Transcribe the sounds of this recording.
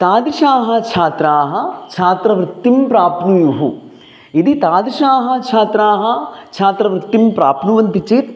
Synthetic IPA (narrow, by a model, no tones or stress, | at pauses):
t̪aːd̪iʃaːɦɐ̆t͡ʃʰaːt̪ɾaːɦɐ̆t͡ʃʰaːt̪ɾɐʋɾɪt̪ːimpɾaːpnujuɦu | id̪it̪aːd̪iʃaːɦɐ̆t͡ʃʰaːt̪ɾaːɦɐ̆t͡ʃʰaːt̪ɾɐʋɾɪt̪ːimpɾaːpnuʋɐnt̪it͡ʃeːt̪